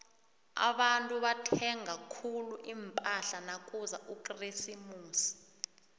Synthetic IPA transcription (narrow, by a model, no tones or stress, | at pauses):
a̰ɓantʼuɓatʰɛŋakʰuluʔimpʼaɬanakʼuzaʔukʼresimuːsi̥